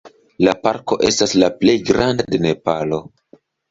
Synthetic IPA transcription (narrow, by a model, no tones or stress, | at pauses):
lapaɾko̞ʔe̞staslaple̞jɡɾandadene̞palo̞